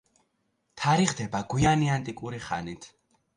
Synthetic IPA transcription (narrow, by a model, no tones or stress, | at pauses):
t̪ʰaɾiʁd̪ɛbaɡwianiant̪ʼikʼuɾiχa̰nit̪ʰ